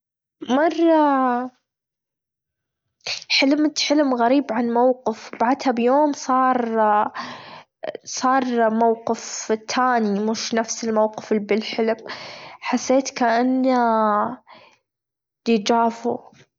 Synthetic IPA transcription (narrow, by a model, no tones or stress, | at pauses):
mɑrˤːɑ | ħɪlmt̪ħɪlmɣaɾiːbʕanmawqɪfbaʕd̪habjoːmsˤɑːɾˤ | sˤɑːɾˤmawqɪft̪ʰːaːnimʊʃnafsɪlmawqɪ̥fɪbɪlħɪlmħasːeːt̪kaʔanːa | d̪id͡ʒaːfṵ